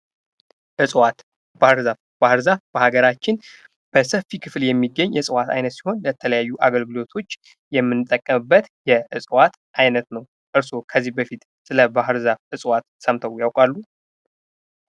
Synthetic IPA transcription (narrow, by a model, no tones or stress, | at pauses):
ʔɨsʼwat̪ | bahɨɾzaf | b̥ahɨɾzafb̥əhaɡəɾat͡ʃːɪn | b̥əsəfːikʰɨfljɛmːiɡːəɲːjɛsʼɨwat̪ʰa̰jnət̪si̥ho̞nlət̪ʰələjajːuʔaɡəlɡɨlo̞t̪ʰo̞t͡ʃː | jɛmːɨnːɨt̪ʼːəkʼːəmɨbːət̪jɛʔɨsʼwat̪ | ʔajnət̪nəw | ʔɨɾsokʰəzːihbəfit̪ | sɨləbaɦɨɾzafʔɨsʼwat̪səmt̪ʰəwjawkʼalːu